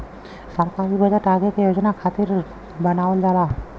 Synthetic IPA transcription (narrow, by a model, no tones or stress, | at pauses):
səɾkaɾibəd͡ʒaʈaɡek̪jod͡ʒnakʰat̪iɾ | bənaʋəld͡ʒala